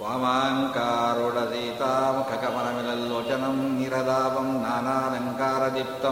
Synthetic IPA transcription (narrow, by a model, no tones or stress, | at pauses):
ʋaːmaːŋkaːɾuɽɐd̪iːt̪aːmukʰɐkɐmɐnɐmilɐlloːt͡ʃɐnɐmniɾɐd̪aːʋɐmnaːnaːd̪ɐŋkaːɾɐd̪ip̚t̪ɐ